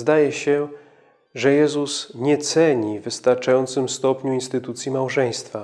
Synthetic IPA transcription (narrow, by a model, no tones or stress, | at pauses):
zd̪ajɛɕɛ | ʐɛjɛzusɲɛt̪sɛɲivɘst̪aɾt͡ʂajɔnt̪sɘmst̪ɔpɲuinst̪ɘt̪ut̪sʲjimawʐɛj̃st̪fa